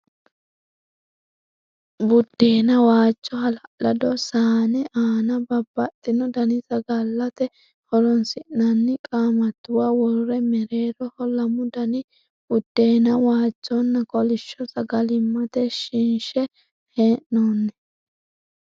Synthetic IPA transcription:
bʊd̪̥ːe̞ːnɐwaːt͡ʃːɔhɐlɐʔlɐd̪ɔsaːnɛʔaːnɐbɐbːɐt̪ʼːɪnɔd̪ɐnɪsɐɡɐlːɐt̪ɛ | hɔɾɔnsɪʔnɐnːɪkʼaːmɐt̪ːʊwaːwɔɾʊɾɛmɛɾe̞ːɾɔhɔlɐmʊd̪ɐnɪ | b̥ʊd̪̥ːe̞ːnɐwaːt͡ʃːɔnːɐkʼɔlɪʃːɔsɐɡɐlɪmːɐt̪ɛʃɪnʃɛ | heːʔnoːnːɛ

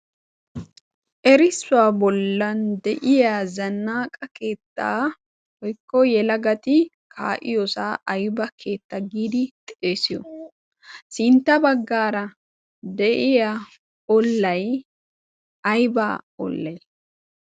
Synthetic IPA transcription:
ʔɛɾɪsːʊaːbɔlːɐnd̪ɛʔɪjaːzɐnːaːkʼɐke̞ːt̪ːa̰ː | hɔjkːɔjɛlɐɡɐt̪ɪ | kʰaːʔɪjɔsaːʔɐjbɐkʰe̞ːt̪ːɐɡiːd̪ɪt̪ʼeːsɪjɔ | sɪnt̪ːɐbɐɡːaːɾɐ | d̪ɛʔɪja | ɔlːɐj | ɐjbaːɔ̰lːɐj

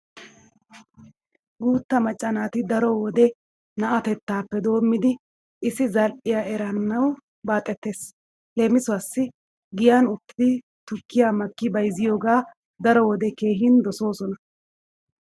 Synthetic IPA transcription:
ɡuːt̪ːɐmɐt͡ʃʼːɐnaːt̪ɪd̪ɐɾɔwɔd̪ɛ | nɐʔɐt̪ɛt̪ːaːpːɛd̪o̞ːmːɪd̪ɪ | ʔɪsɪzɐlʔɪjaːɛɾɐnːɐw | baːt̪ʼɛt̪ːe̞ːs | leːmɪsʊasːɪ | ɡɪjanʊt̪ːɪd̪ɪ | t̪ʊkːɪjaːmɐkːɪbɐjzɪjo̞ːɡaː | d̪ɐɾɔwɔd̪ɛke̞ːɦɪnd̪ɔso̞ːsɔnɐ

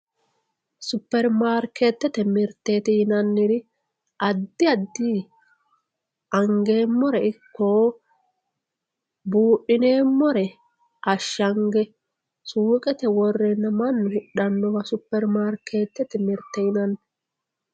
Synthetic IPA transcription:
sʊpːɛɾmaːɾkʰet̪ːɛt̪ɛmɪɾt̪ːeːt̪ɪjɪnɐnːɪɾɪ | ʔɐd̪ːɪɐd̪ːiː | ɐŋɡe̞ːmːɔɾɛɪkːoː | buːʔːɪne̞ːmːɔɾɛ | ʔɐʃːɐŋɡɛ | suːkʼɛt̪ɛwɔrːɛnːɐmɐnːʊhɪᶑɐnːɔwɐsʊpːɛɾmaːɾkʰːeːt̪ːɛt̪ɛmɪɾt̪ːɛjɪnɐnː

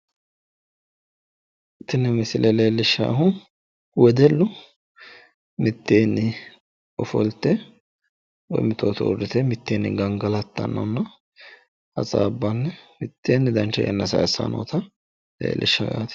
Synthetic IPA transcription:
ɪt̪ːɪnːɛmɪsɪlʔɛleːlːɪʃːa̰ːɦʊ | wɛd̪ɛlːʊ | mɪt̪ːeːnːɪ | ɔfɔlt̪ːɛ | wɔ̰jmɪt̪ʰoːt̪ɔ̰ʊ̰dɪt̪ɛmɪt̪ːeːnːɪ̰ɡɐŋɡɐlɐt̪ːɐ̰nːɐ̰nːɐ | ɐt͡sʼaːbːɐnːɛmɪt̪ːeːnːɪd̪ɐnt͡ʃːɐjʔɛ̰nːɐsɐ̰jɐsːa̰no̰ːt̪ʰɐ | lḛːlʔɪ̰ʃːɐɡa̰ːt̪

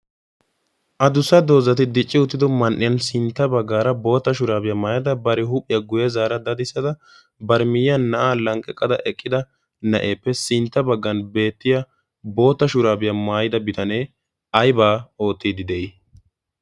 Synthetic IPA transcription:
ʔɐd̪ʊsːɐd̪o̞ːzɐt̪ɪd̪ɪt͡ʃʼːɪʊt̪ːɪd̪ɔmɐnʔɪjɐnsɪnt̪ːɐbɐɡːaːɾɐbo̞ːt̪ːɐʃʊɾaːbɪjɐmaːjɐd̪ɐbɐɾɪɦʊpʼːɪjɐɡʊjɛzaːɾɐd̪ɐd̪ɪsːɐd̪ɐ | bɐɾmɪjjɐnːɐʔaːlɐŋkʼːɛkʼːɐd̪ɐ̰ʔɛkʼːɪd̪ɐ | nɐʔeːpːɛsɪnt̪ːɐbɐɡːɐnbe̞ːt̪ːɪjɐ | bo̞ːt̪ːɐʃʊɾaːbɪjɐmaːjɪd̪ɐbɪt̪ʰɐne̞ː | ɐjbaːo̞ːt̪ːiːd̪ɪd̪ɛʔɪ

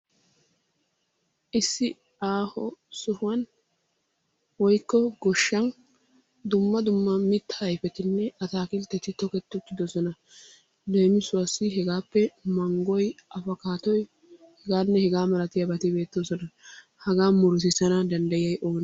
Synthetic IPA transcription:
ʔɪsːɪ | aːhɔsʊhwɐn | wɔjkːɔɡɔʃːɐn | d̪ʊmːɐd̪ʊmːɐmɪt̪ːɐjfɛt̪ɪnːɛɐt̪aːkɪlt̪ːɛt̪ɪt̪ɔkɛt̪ːʊt̪ːɪd̪ɔsɔnɐ | dejmɪsʊwɐsːɪɦɛɡaːpːɛmɐŋɡɔjɐfɐkaːt̪ɔj | hɛɡaːnːɛhɛɡaːmɐlɐt̪ɪjɐbɐt̪ɪbe̞ːt̪ːɪsɔnɐ | hɐɡaːmʊɾs̬ɪsɐnɐd̪ɐnd̪ɐjɐjʔo̞ːn

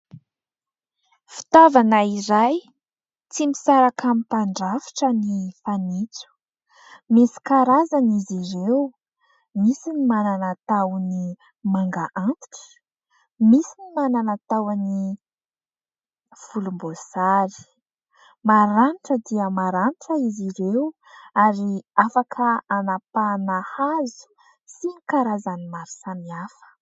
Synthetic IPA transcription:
fi̥t̪ovanaiɾaj | t͡simisaɾakamipaɳɖ͡ʐafi̥ʈ͡ʂənifanit͡su̥ | misi̥kaɾazaniziɾew | misinimananat̪awni | maŋɡaʔant̪i̥ʈ͡ʂə̥ | misinimananat̪awani | fulumbosaɾi̥ | maɾanʈ͡ʂəd̪iəmaɾaniʈ͡ʂəiziɾew | aɾiafakʰəanapanahazu̥ | sinikaɾazanimaɾi̥samiafə̥

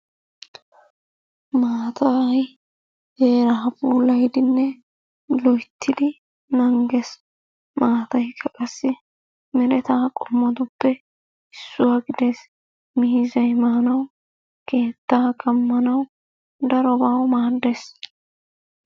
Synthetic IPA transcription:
maːt̪ɐj | heːɾɐɦɐbuːlːɐjd̪ɪnːɛ | lɔjt̪ʰːɪd̪ɪ | nɐŋɡɛs | maːt̪ɐjkʰːɐkʼɐsːɪ | mɪɾɛt̪aːkʼɔmːɔd̪ʊpːɛ | ɪsːʊwaːɡɪd̪es | mɪɪzɐjmɐhɐnɐw | ke̞ːt̪ːaːkʼɐmːɐnɐw | d̪ɐɾɔbawmaːd̪ːes

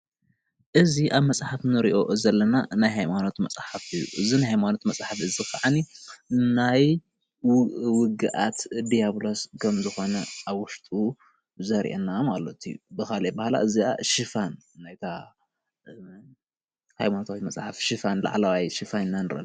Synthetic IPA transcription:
ʔɨziʔaβmɐsʼħafnɨɾiʔo̞zɐlːɐnanajhajmano̞t̪mɐsʼħafɨjṵʔɨzinajhajmano̞t̪mɐsʼħafɨzixaʕaninaj | wʊɡɨʔat̪d̪ijaβlo̞skʰɐmzɨxo̞nɐaβwʊʃt̪ʼu | zɐɾʔḛnamalːot̪ʰiubɨxalebahala̰ʔɨzia̰ʃɨfanːajt̪ʰa | ha̰jmanot̪ʰawit̪mɐsʼħafʃɨfanla̰ʕlawajʃifanɨnːanɨɾɐ̰l

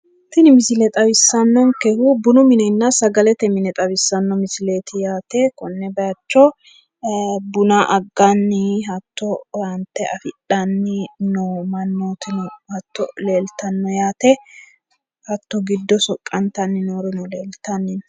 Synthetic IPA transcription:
t̪ɪnɪmɪsɪlɛt̪ʼɐwɪsːɐnːɔnkɛhubʊnʊmɪnɛnːɐsɐɡɐlɛt̪ɛmɪnɛt̪ʼɐwɪsːɐnːɔmɪsɪle̞ːt̪ɪjaːt̪ɛkɔnːɛbɐjɐt͡ʃːɔ | bʊnaʔɐɡːanːɪɦɐt̪ːɔwɐnt̪ːɛʔɐfɪᶑɐnːɪnomɐnːoːt̪ɪnɔhɐt̪ːɔleːlt̪ɐnːɔjaːt̪ɛ | hɐt̪ːɔɡɪd̪ːɔsɔkʼːɐnt̪ɐnːɪnoːɾɔnɔleːlt̪ɐnːɪn

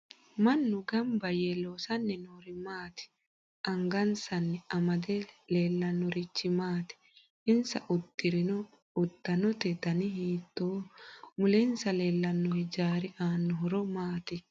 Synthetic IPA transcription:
mɐnːʊɡɐmbɐjeloːsɐnːɛnoːɾɪmaːt̪ɪ̥ | ʔɐŋɡɐnsɐnːɛɐmɐd̪ɛleːlːɐnːɔɾɪt͡ʃːɪmaːt̪ɪ̥ | ɪnsɐʔʊt̪ːɪɾɪnɔ | ʊt̪ːɐnɔt̪ɛt̪ɐnɪhiːt̪ːoːmʊlɛnsɐleːlːɐnːɔhɛd͡ʒaːɾɪʔaːnːɔɦɔɾɔmaːt̪ɪ

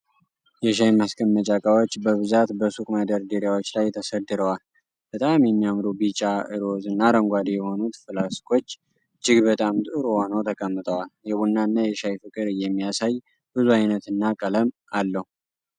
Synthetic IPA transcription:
jɛʃajmaskʰənːət͡ʃʼakʼawot͡ʃːbəβɨzat̪bəsukʼmad̪əɾd̪iɾjawo̞t͡ʃːlajt̪ʰəsəd̪ːɨɾəwal | b̥ət̪ʼamjɛmːiamɾobit͡ʃʼːaɨ̰ɾo̞zɨnːaɾəŋɡʷad̪ejɛho̞nut̪fɨlaskʰʼo̞t͡ʃː | d͡ʒɪɡbət̪ʼamt̪ʼɨɾho̞nəwt̪ʰəkʼəmːɨt̪ʼəwaljɛβunːaɨnːajɛʃajfɨkʼɨɾɨjɛmːijasaj | b̥ɨzuajnət̪ɨnːakʼələm | alːəhu

